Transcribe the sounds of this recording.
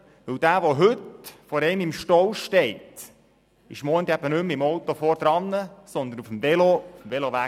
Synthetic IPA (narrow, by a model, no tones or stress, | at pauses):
ʋɵwd̥̪æːʋoɦɵtfɔɾɛɪmɪmʃtɔwʃtɛɪt̪ | ɪʃmɔːnt̪æb̥ənɵmɪmɔwt̪ofɔɾd̥̪ɾɑnːəsɔnd̪ənufəm̩vɛloufəmvɛloʋæ